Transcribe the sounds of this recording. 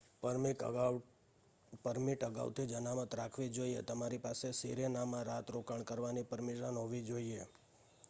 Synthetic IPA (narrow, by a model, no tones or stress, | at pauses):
pəɾmikə̰ɡa | pəɾmiʈəɡa̰ʋt̪ʰid͡ʒənamət̪ɾakʰʋid͡ʒoiḛt̪əmaɾipasesiɾenamãɾat̪ɾokəɳkəɾʋanipəɾmeʃənɦoʋid͡ʒoie